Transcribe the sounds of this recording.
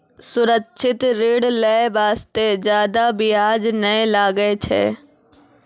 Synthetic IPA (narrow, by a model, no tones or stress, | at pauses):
sʊɾəkʃʰɪt̪ɾeːɽləebaːst̪ezjaːd̪abʱiaːd͡ʒnɐelaːɡəet͡ʃʰḛː